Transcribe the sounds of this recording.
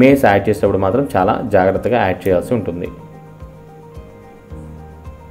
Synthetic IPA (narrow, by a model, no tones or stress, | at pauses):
meːsaːʈ̚t͡ʃeːsinɐpːuɽumaːt̪ɾɐmt͡ʃaːla̰ːd͡ʒaːɡɾɐt̪ːɐɡaːɛːkʈ̚t͡ʃɛːjaːlsiuɳʈund̪ḭ